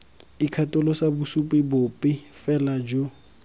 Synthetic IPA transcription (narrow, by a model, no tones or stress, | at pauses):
ikʰatʼʊlɔsabʊsupʼɪbʊpʼɪfɛlad͡ʒo